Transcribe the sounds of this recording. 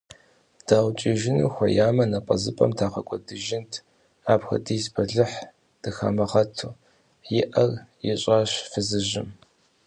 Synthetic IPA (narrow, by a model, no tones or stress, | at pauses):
d̥aːwʷt͡ʃʼɪʒɪnṵːxʷɐjaːmɐnɐqʼɐzɨpʼɐ̰mtʰaːqɐkʷʼɔdɨʒɪntʰ | aːpxɐ̰diːsbʰɐɮɨħ | d̥ɨxɐ̰mɐχɐtʰuː | jɪʔɐrjɪɕʼaːɕfɨzɨʑɪm